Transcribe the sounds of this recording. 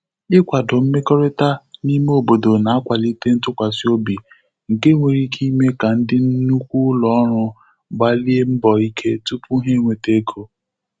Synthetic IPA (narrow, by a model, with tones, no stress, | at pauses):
ɪ˦kʷa˨dʊ˨m̩˦me˦ko˦ɾe˦ta˦ni˦me˦o˨bo˨do˨na˨a˦kʷa˨li˦te˦n̩˦tʊ˦kʷa˨si˦o˦bi˨ | ŋ̩˨ke˦ŋʷe˨ɾi˦kʰi˦me˦ka˨n̩˦dɪ˦n̩˦nu˦kʷu˦lɔ˦ɾʊ˦ | ɡ͡ba˦li˦e˦m̩˦bɔ˨i˦kʰe˦tu˦pu˦ɦe˦ŋʷe˨te˦kʰo˦